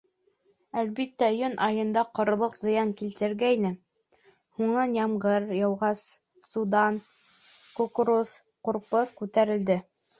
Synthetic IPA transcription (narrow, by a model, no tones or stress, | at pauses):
ælbit̪ːæjɵnʔɑjɤ̆nd̪ɑqŏɾɤ̆lˠɤqzɤ̆jɑŋkilt̪ɘ̆ɾɡæjnɘ | huɴnɑnjɑmʁɤɾjɑwʁɑs | sud̪ɑn | kokɾus | qŏɾpɤkʉt̪æɾɘ̆ld̪ɘ